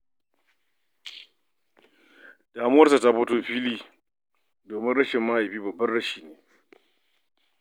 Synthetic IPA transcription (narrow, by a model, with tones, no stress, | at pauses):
d̥aː˨mʊ˦wɐ˦rsa˨ta˦ɸʊ˦toː˦ɸiː˦liː˦˨ | doː˨mɪ˦nɽɐ˦ʃɪ˨mːa˦ʔa˨jɸiː˦bɐ˨bːɐ˦nɽɐ˦ʃiː˨neː˨